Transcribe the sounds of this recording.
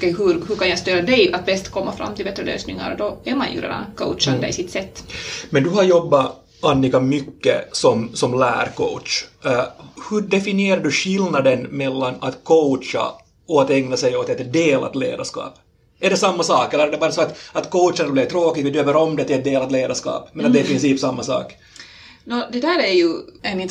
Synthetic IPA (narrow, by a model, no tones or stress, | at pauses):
kɛjɦɵɾhɵɾkanjast̪øːɾad̪ɛjat̪̚bɛst̪kʰɔmːafɾa̰mːt̪ɪlbɛt̪ɾəlø̰ːsnɪŋa̰ɾd̪ɔæɾmanjɵ̰ɾḛːd̪a̰nkʰo̰ʊt̪t͡ʃad̪ɛ̰jsɪt̪sɛt̪ːmɛnd̪ɵɦaɾjɔbːa | ʔanːɪkamʏkːə̰sɔmsɔmlæ̰ːɾkʰo̰ʊt̪ʂ | hɵɖɛfɪnɪeːɾad̪ɵɕɪlnad̪ənmɛlːanat̪kʰoʊta̰ | ɔat̪ɛŋnasɛjot̪ɛt̪d̪eːlʔa̰t̪lḛːd̪a̰ʂkɑ̰ːp | ɛɖɛsamːasɑːkɛlːəɾɛɖ̪ɛbɑːɾasɔat̪ɑt̪kʰowt̪ʂanblɛvt̪ʰɾoːkɪɡ̪ɪd̪øːvəɾɔmd̪ɛt̪ːɛt̪̚d̪eːlat̪leːd̪aʂkɑ̰ːpmɛnat̪d̪ɛɾpʰɾɪnsiːpsamːasɑ̰ːk | nod̪ɛd̪æːɾæɾjʉɛnɪnt̪